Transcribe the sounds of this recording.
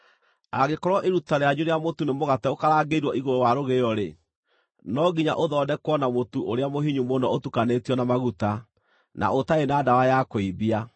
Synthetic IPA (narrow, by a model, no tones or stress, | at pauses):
aɣekɔɾwɔʔeɾutaɾeaɲuɾeamotunemoɣatɛokaɾaɡeiɾwɔʔiɣoɾowaɾoɣeɔɾe | nɔɡiɲa̰ʔoðɔdɛkwɔnamotuʔoɾeamoɦiɲumonɔotukanetiɔnamaɣuta | na̰ʔotaenaːdawajakoibia